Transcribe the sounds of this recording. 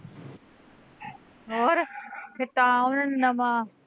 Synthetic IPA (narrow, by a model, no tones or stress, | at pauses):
ɦoːɾkʰet̪aãʊnənɪ̆nɐmãː